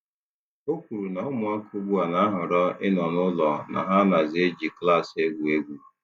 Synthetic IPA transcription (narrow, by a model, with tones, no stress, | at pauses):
o˦kʷu˨ɾu˨na˨ɔ˦mʊ˨a˦kʰʊ˦ɡʊ˦a˨na˨a˦ɦʊ˨ɾɔ˦ʔɪ˦nɔ˨nʊ˦lɔ˨na̰˨ɦa˦na˨ze˦d͡ʒi˨kla˦˨se˦ɡʷu˨e˦ɡʷu˨˦